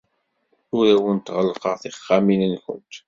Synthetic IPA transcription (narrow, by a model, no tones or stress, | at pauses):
ʊɾæwənt̪ʁəlːqəʁθiχːaminənkʊ̰nt̪